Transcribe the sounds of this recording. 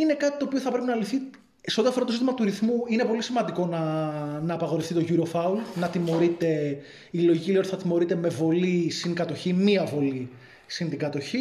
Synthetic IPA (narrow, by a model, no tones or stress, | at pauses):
ine̞kɐt̪i̥t̪oːpioθɐpɾe̞pinɐliθi | se̞ot̪iɐfo̞ɾɐt̪ozit̪imɐt̪uɾiθmuine̞po̞lisimɐnd̪iko̞nɐnɐːpɐɣo̞ɾeft̪it̪o̞ʝuɾo̞fɐulnɐt̪imo̞ɾit̪e̞ | iloʝiciliont̪θɐt̪imo̞ɾit̪eme̞vo̞lisinɡɐt̪o̞çimiɐvo̞li | sint̪iɡɐt̪o̞çi